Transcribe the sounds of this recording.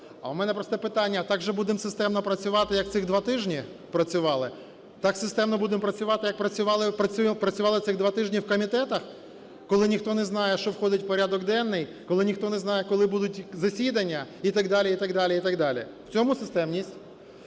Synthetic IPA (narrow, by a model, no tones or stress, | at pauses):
ɐ̰umɛnɛpɾɔst̪ɛpɪt̪ɑnʲːɐt̪ɑɡʒɛbud̪ɪmsɪst̪ɛmnɔpɾɐt͡sʲʊʋɑt̪ɪjɐkt̪sɪɣd̪ʋɑt̪ɪʒnʲipɾɐt͡sʲʊʋɑlˠɪ | t̪ɑksɪst̪ɛmnɔbud̪ɪmpɾɐt͡sʲʊʋɑt̪ɪjɐk̚pɾɐt͡sʲʊʋɑlˠɪpɾɐupɾɐt͡sʲʊʋɑlˠɪt̪sɪɣd̪ʋɑt̪ɪʒnʲiwkɔmʲit̪ɛt̪ɐx | kɔlˠɪnʲixt̪ɔnɛznɑjɛʃt͡ʃɔwxɔd̪ɪtʲwpɔɾʲad̪ɔɡd̪ɛnːɪjkɔlˠɪnʲixt̪ɔnɛznɑjɛkɔlˠɪbud̪ʊtʲzɐsʲid̪ɐnʲːɐit̪ɐɡd̪ɑlʲiit̪ɐɡd̪ɑlʲiit̪ɐɡd̪ɑlʲḭ | w̥t͡sʲɔmʊsɪst̪ɛmnʲisʲtʲ